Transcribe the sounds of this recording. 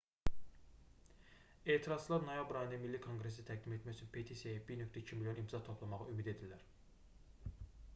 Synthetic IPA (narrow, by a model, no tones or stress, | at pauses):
e̞ːt̪ʰiɾɑz̥t͡ʃlˠɑɾno̞jɑbɾɑjinæmilːikʰoŋɡɾes̬it̪ʰæɡ̚d̪imet̪mæçyt͡ʃʰynpʰet̪ʰisejbiɾnøk̚ʲt̪ʰæicʰimiljo̞nimt̪ʰzɑt̪ʰo̞pʰlˠɑmɑʁɑymid̪e̞d̪ilːæɾ